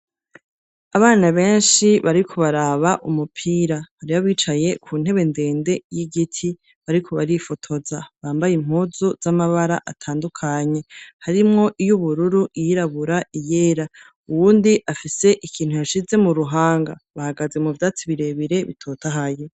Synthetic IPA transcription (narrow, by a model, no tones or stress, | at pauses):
aβaːnaβe̞ːnʃiβaɾikʰo̞βaɾaːβaʔumupʰiːɾaβaɾiβaβiːt͡ʃaje̞kʰuːn̥e̞βe̞nde̞ːnde̞jiɡitʰi | βaɾikʰo̞βaɾifo̞tʰo̞zaβaːmbajim̥huzoz̥amaβaɾa̰ʔatʰaːndukʰaɲe̞haɾimŋo̞ʔijuβuɾuɾuʔijiɾaβuɾaije̞ːɾa | uwuːndiʔafise̞ʔikʰiːn̥hujaʃize̞muɾuɦaːŋɡa̰βahaɡaze̞muvjaːt͡siβiɾe̞βiɾe̞βḭtʰo̞ːtaɦaje